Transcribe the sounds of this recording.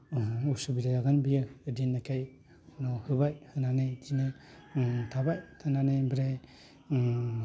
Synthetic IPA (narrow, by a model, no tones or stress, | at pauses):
usubiɾajaɡɯnbijɯdinːakʰaj | nɔhɯbajhɯnanedine | tʰabajtʰananebɾej